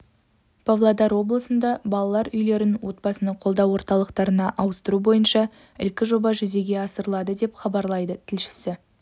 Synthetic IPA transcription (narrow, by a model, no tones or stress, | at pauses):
pʰavlˠɑd̪ɑɾwo̞blˠəsənd̪ɑbɑlˠɑlˠɑɾʏjle̞ɾɪnwo̞t̪̚bɑsənəqʰo̞lˠd̪ɑwwo̞ɾt̪ɑlˠəqt̪ɑɾənɑʔɑwəst̪əɾubo̞jənʃɑ | ɪ̰lkʲɪʒo̞bɑʒʏze̞ɡʲe̞ɑsəɾəlˠɑd̪əd̪e̞pχɑbɑɾlˠɑjd̪ət̪ʰɪlʃɪ̥sɪ